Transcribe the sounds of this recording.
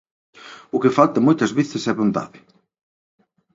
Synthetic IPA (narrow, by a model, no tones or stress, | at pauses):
ʊkɪfalt̪ɐmojt̪ɐzβeθɪsɛβont̪a̰ðɪ